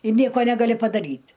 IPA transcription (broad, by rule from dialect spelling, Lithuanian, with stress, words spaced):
ɪ ˈnʲiɛkoː ˈnʲæːɡɐlʲɪ pɐdɐˈrʲiːtʲ